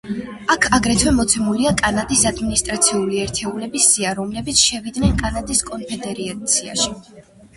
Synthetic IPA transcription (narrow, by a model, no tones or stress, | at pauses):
akʰaɡɾɛt̪ʰwɛmɔt̪sʰɛmuliakʼanad̪isad̪minist̪ʼɾat̪sʰiuliɛɾt̪ʰɛulɛbisiaɾɔmlɛbit̪sʰʃɛvid̪nɛnkʼanad̪iskʼɔnpʰɛd̪ɛɾiat̪sʰia̰ʃi